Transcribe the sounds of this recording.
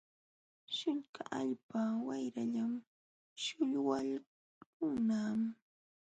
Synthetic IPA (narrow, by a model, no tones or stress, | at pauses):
ʃɪŋkaʔaʎpawajɾaʎam | ʃʊʎwal | kʊŋnaːm